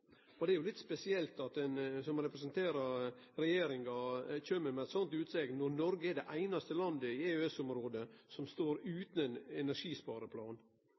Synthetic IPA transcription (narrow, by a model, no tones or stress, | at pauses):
ɔd̪ɛæɾjʊlɪt̪spɛsɪɛlt̪ɑt̪ɛnsɔmɾɛpɾɛsənt̪ʰeːɾɑ | ɾɛjeːɾɪŋɑçømːəɾmɛɛt̪sɔnt̪ʉːt̪sɛɡnɔɾnɔɾɡəɛɖɛʔæɪnɑst̪əlɑnd̪əɪeøɛsɔmɾoːd̪əsɔmst̪oːɾʉːt̪nɛnɛnæʂiːspɑːɾəpʰlɑːn